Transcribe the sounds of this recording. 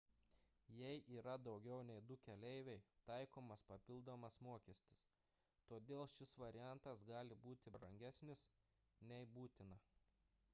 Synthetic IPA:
jɛɪʔiːɾɐd̪ɒʊɡʲɛʊnʲɛɪd̪ʊkʲɛlʲɛɪʋʲɛɪt̪ɐɪkoːmɐspɐpʲɪlˠd̪oːmɐsmuɔkʲiɛsʲt̪ʲɪ̥s | t̪oːd̪ʲeːlˠʃʲɪsʋɐɾʲɪjænt̪ɐsɡɑːlʲɪbuːt̪ʲɪbɾɐŋʲɡʲæsʲnʲɪs | nʲɛɪbuːt̪ʲɪnɐ

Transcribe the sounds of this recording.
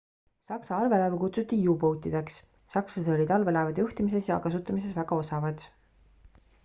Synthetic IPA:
sɑksɑɑrve̞lɑvukut̪sut̪ːˑiiupowt̪ːˑid̪̥e̞ksː | ɑksɑseo̞lid̪ɑlve̞lɑvɑd̪̥juht̪imise̞sjɑkɑsut̪ːˑɑmise̞svæɡ̥ɑo̞sɑvɑd̪̥

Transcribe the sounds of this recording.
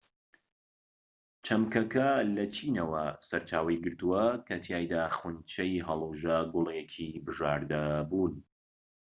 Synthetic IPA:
t͡ʃʰɐmkɐkɐlɐt͡ʃʰiːnɐwɐsɐɾt͡ʃaːwɐjɡɨɾt̪uwɐkʰɐt̪ʰjaːjd̪aːχunt͡ʃʰɐjɦɐlˠuʒɐɡʊlˠekʰibɨʒaːɾd̪ɐbuːn

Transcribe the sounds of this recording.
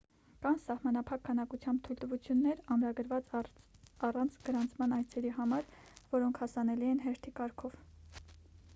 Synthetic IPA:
kɑnsɑhmɑnɑpʰɑkʰːɑnɑkut͡sʰjɑmbt̪ʰujlt̪əvut͡sʰjunːɛɾɑmɾɑɡəɾvɑt͡s | ɑrɑnt͡sʰɡ̥əɾɑnt͡sʰmɑnɑjt͡sʰɛɾiɦɑmɑɾvɔɾɔŋkʰhɑsɑnɛliɛnɦɛɾt̪ʰikɑɾkʰɔv

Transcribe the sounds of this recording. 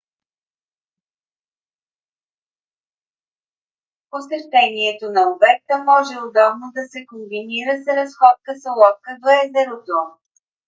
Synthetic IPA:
posɛʃt̪ɛniɛt̪onɐobɛk̚t̪əmɔʒɛʊd̪ɔbnod̪ɐsɛkombiniɾəsɾɐsxɔt̪̚kəsolˠɔt̪̚kəd̪oɛzɛɾot̪o

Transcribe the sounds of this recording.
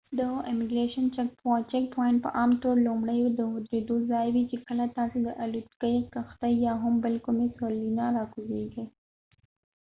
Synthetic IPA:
d̪əɪmɪɡɾeʃənt͡ʃɛkt͡ʃɛk̚pʰojɪnʈ̚pə̰ʔɑmt̪oɾlʊmɽəjod̪əɦʊd̪ed̪ozɑjwit͡ʃekəlat̪ɑsed̪əʔalut̪kəjkaxt̪ajjɑɦʊmbəlkumesolinɑɾɑkuzeɡəj

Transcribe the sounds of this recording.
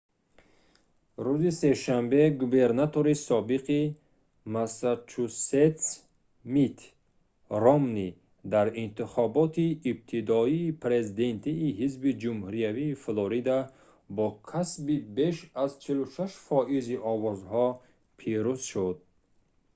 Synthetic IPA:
ɾuzise̞ʃambe̞ɡube̞ɾnat̪ʰo̞ɾisɔbiqi | masat͡ʃʰuset̪s | mit̪ʰ | rɔmni | d̪aɾint̪iχɔbɔt̪ʰiːb̚t̪ʰid̪ɔiːpʰɾe̞zid̪e̞nt̪ʰiːɦizbid͡ʒumhuɾijaviːfloɾid̪a | bɔkʰasbibeʃazt͡ʃʰiluʃaʃfɔʔiziʔɔvɔzhɔ | pʰiɾuz̥ʃud̪̚

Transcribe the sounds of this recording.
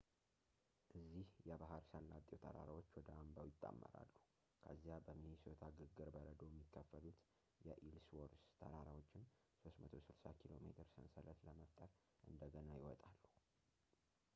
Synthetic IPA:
ʔɨzːihjɛbaɦəɾsəlːat̪ʼjowt̪ʰəɾa̰ɾawot͡ʃːwɔd̪əambawjɪt̪ʼːa̰mːə̰ɾa̰lːu | kʰəzːijabəmiisot̪ʰaɡɨɡːɨɾbəɾəd̪o̞jɛmːikʰːəfːəlut̪ | jɛʔilswoɾst̪ʰəɾaɾawot͡ʃːɪn | so̞smət̪ʰo̞sɨlsakʰilo̞mḛt̪ʰɨɾsənsələt̪ləməft̪ʼəɾ | ʔɨnd̪əɡənajɪwɔt̪ʼalːu

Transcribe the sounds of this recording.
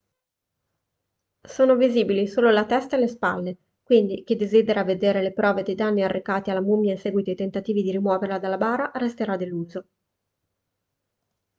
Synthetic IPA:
soːnoviziːbilisoːlolat̪ɛst̪aelespalːe | kwind̪ik̟ed̪ːezid̪eɾaved̪eːɾelepɾɔːved̪ejd̪anːiarːʔekaːt̪ialːamumːjainsɛːɡwit̪oit̪ent̪at̪iːvid̪iɾimwɔːveɾlad̪alːabaːɾaɾest̪eɾad̪elːuːzo

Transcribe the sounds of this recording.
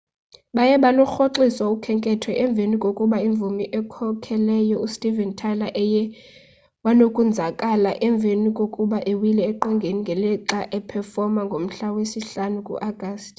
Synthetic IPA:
ɓajɛɓalɔxoǁiswaukʰɛŋkʼɛtʰwɛʔɛɱb̪vʱenikʼokʼuɓaiɱbvʱumiʔɛkʰɔkʰɛlɛjɔustʼivɛntʰalaʔɛjɛ | wanokʼund͡zʱakʼalaʔɛɱb̪vʱenikʼokʼuɓaʔewilɛːǃɔŋɡʱeniŋɡʱɛlɛǁaʔɛpʰɛfɔmaŋɡʱom̩ɬawesiɬanukʼṵʔaɡ̥ʱaːstʼ

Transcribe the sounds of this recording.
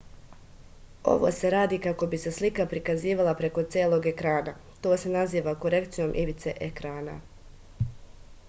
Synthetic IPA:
o̞̰ʋo̰se̞ɾaːd̪iːkako̞bise̞slikapɾikaziːʋalˠapɾe̞ko̞t̪sjeːlˠo̞ɡe̞kɾaːna | t̪o̞ːse̞naziːʋako̞ɾe̞kt̪sijo̞mʔiʋit̪se̞ʔekɾaːna̰

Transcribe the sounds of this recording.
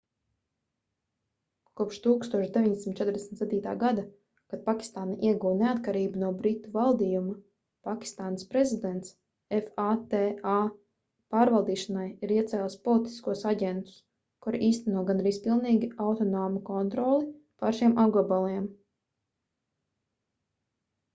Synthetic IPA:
kuɔpʃt̪uːkst̪uɔʃd̪evʲiɲd̪esʲimt̪t͡ʃɛt̪ɾd̪esn̩ʲt̪sed̪ʲiːt̪a̰ːɡad̪a | kad̪̚pakʲi̥st̪aːnaʔiɛɡuːneat̪kaɾiːbunuɔbɾit̪ːuvalˠd̪iːjuma | pakʲi̥st̪aːnəspɾezid̪ɛnt̪s | efaːt̪eaː | paːɾvalˠd̪iːʃanajiɾiɛt̪sɛːlˠspɔlˠit̪i̥skuɔsaɟɛnt̪u̥s | kuɾʔiːst̪ɛnuɔɡanɾiːspilˠniːɡʲiawt̪ɔnɔːmukɔnt̪ɾɔlˠi | paɾʃiɛmʔaɡɔbalˠiɛm

